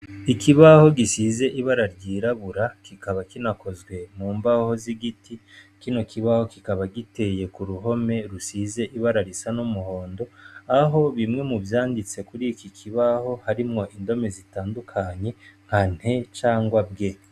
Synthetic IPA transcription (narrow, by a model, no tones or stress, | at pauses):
ikiβaho̞ɡisize̞ʔiβaɾaɾɟiːɾaβuɾakikaβakinako̞zɡwe̞muːmbaho̞ziɡitikino̞kʰiβaho̞kikaβaɡite̞je̞kuɾuɦo̞me̞ɾusize̞ʔiβaɾaɾisanumuho̞ːndo̞aɦo̞βimŋe̞muvjaːndit͡se̞kuɾikikʰiβaho̞haɾimŋo̞ʔindo̞me̞zitaːndukʰaɲe̞ŋ̥han̥he̞t͡ʃaːŋɡwab̚ɡe̞